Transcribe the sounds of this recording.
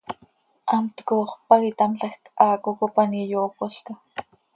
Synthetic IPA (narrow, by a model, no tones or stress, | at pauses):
ʔɑmt̪koːχpaɣit̪amɬɑxkʔɑːkokopanijokoɬka